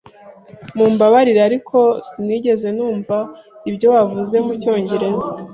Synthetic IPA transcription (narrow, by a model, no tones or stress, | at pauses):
mumbaβaɾiɾeaɾikʰo̞niɟe̞ze̞nuːɱvaibɟo̞wavuze̞muco̞ːɲɟe̞ɾe̞zḁ